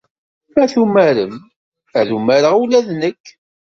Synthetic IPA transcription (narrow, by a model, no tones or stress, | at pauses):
æθumæɾəm | æðumæɾəʁulæðnəkː